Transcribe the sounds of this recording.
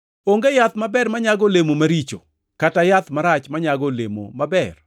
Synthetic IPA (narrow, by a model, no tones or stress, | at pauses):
oŋɡejat̪mabɛɾmaɲaɡolemomaɾit͡ʃo̰ | katajat̪maɾat͡ʃmaɲaɡolḛmo̰mabɛr